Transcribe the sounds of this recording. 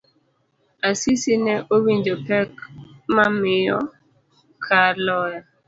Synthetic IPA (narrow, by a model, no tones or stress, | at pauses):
asisinɛʔowiɲd͡ʒopɛkmamɪjɔ̰ | kʰalɔja